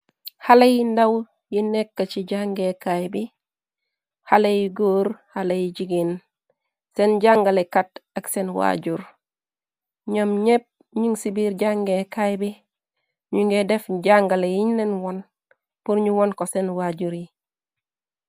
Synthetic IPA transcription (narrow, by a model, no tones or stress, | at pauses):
halejindaw | jinekːat͡ʃiɟaŋɡekajbi | halejiɡoːɾhalejiɟiɡin | senɟaŋɡalekataksenwa̰ɟuɾ | ɲomɲep̚ | ɲuŋsibiɾɟaŋɡekajbi | ɲuŋɡedefɟaŋɡalejiɲnenwon | puɾɲuwonkosenwaɟuɾi